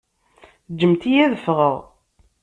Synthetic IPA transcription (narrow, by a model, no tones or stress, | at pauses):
d͡ʒːəmt̪ijæðəfʁəʁ